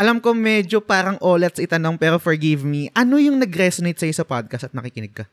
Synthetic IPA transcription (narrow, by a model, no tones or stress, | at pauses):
ʔɐlɐmko̞mɛd͡ʒopaːɾɐŋʔoːlɛt̪̚sɐɪt̪ɐnoŋpɛːɾofoɹɡivmiʔɐno̞jʊŋnɐɡɾɛsonejt̪̚sɐjosɐpad̪̚kɐst̪ɐt̪nɐkikɪnɛɡ̚kɐ